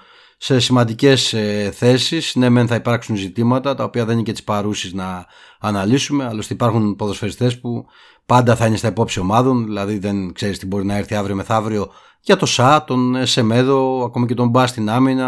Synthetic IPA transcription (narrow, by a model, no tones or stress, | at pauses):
se̞simɐnd̪ice̞sθe̞sisne̞me̞nθɐipɐɾksunzit̪imɐt̪ɐt̪ɐo̞piɐðe̞nicet̪i̥spɐɾusiznɐː | nɐlisume̞ɐlo̞st̪iipɐɾxunpoðo̞sfe̞ɾist̪e̞spu | pɐnd̪ɐθɐine̞st̪ɐipo̞psio̞mɐðo̞nðilɐðiðe̞nkse̞ɾist̪ibo̞ɾinɐe̞ɾθiɐvɾiome̞θɐvɾio̞ | ʝɐt̪o̞sɐt̪o̞nese̞me̞ðo̞ɐko̞mɐce̞t̪o̞mbɐst̪inɐminɐ